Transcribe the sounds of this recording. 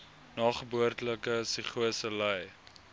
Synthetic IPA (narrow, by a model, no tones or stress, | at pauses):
nɑːχəbuərtələkəsiχuəsələj